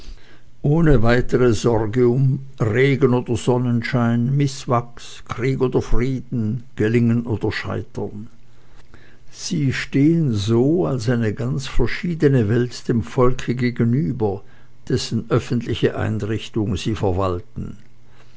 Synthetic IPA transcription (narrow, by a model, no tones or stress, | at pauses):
ʔoːnəvaɪtəʁəz̥ɔʁɡəʊm | ʁeːɡənoːdɐzɔnənʃaɪnmɪsv̥aks | kʁ̥iːkoːdɐfʁiːdn̩ɡ̥əlɪŋənʔoːdɐʃa̰ɪtʰɐn | z̥iːʃteːənzoːalsaɪnəɡant͡sfɛɐʃiːdənəvɛltd̥eːmfɔlkʰəɡeːɡənyːbɐ | d̥ɛsn̩ʔœfən̩tlɪçəʔa̰ɪnʁɪçtʊŋziːfɛɐvaltn̩